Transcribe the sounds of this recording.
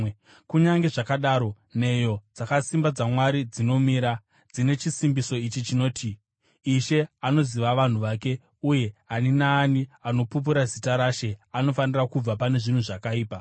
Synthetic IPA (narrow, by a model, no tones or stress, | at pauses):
kuɲaŋɡe̞ʐakaɗaɾo̞ | ne̞jo̞d͡zakasimbad͡zamwaɾid͡zino̞miːɾa | d͡zine̞t͡ʃisimbiso̞it͡ʃit͡ʃino̞ːtʰiː | ʃe̞ano̞ziʋaʋan̤uʋake̞ | uje̞aninaːniano̞pup̬uɾazitaɾaʃe̞ano̞fanirakub͡vapane̞ʐin̤uʐakaiːpa